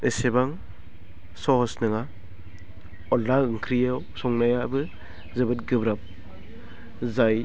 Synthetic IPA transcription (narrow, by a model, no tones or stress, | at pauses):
esebaŋ | sɔhɔsnɯŋa | ɔlːaɯŋkʰɾijaw | sɔŋnajabɯ | zɯbɯt̚ɡɯbɾap̚ | zaj